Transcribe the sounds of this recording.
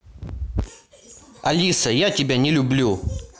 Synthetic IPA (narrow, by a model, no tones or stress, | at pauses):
ɐlʲisəjatʲɪbʲanʲɪlʲʊblʲu